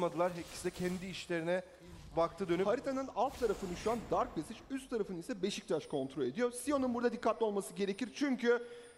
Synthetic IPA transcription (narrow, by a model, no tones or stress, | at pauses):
mad̪ɯlˠaɾɦɛp̚cʰi̥sid̪ɛcʰɛnd̪iːʃlʲeɾinɛ | bak̚t̪ʰɯːd̪ønyhaɾit̪ʰanɯnalˠft̪ʰaɾafɯnɯʃuand̪aɾk̚besit͡ʃyst̪ʰːaɾafɯnɯisɛbe̞ʃic̚t͡ʃ̪ʰaʃkʰo̞nt̪ʰɾo̞lʲe̞d̪ijo̞ɾsijo̞nunbuɾd̪ad̪ikʰːat̪lʲio̞lˠmasɯɟe̞ɾe̞ciɾt͡ʃʰyɲcʰy